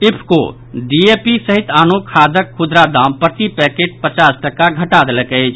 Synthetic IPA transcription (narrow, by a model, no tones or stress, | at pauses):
ɪpʰko̰ | ɖiepisəɦɪt̪aːnokʰaːd̪əkʰːʊd̪ɾad̪ãːmpɾət̪ipɛkeːʈ̚pət͡ʃaːsʈəkaɡʱəʈaːd̪ləkɛet͡ʃʰ